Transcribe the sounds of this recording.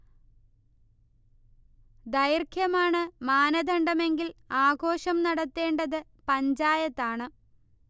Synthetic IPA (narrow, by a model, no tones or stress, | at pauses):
d̪ɐjrkʰjɐmaːɳɨmaːnɐd̪ʱɐɳɖɐme̞ŋɡilaːɡo̞ːɕɐmnɐɽɐt̪ːe̞ːɳɖɐðɨ | pɐɲd͡ʑaːjɐt̪ːaːɳɨ